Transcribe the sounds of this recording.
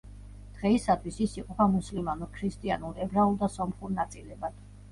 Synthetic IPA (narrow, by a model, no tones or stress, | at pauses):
d̪̥ʁɛisat̪ʰwisisiqʼɔpʰamuslimanuɾkʰɾist̪ʼia̰nuɾɛbɾaulˠd̪asɔmχuɾnat̪sʼilɛbad̪̥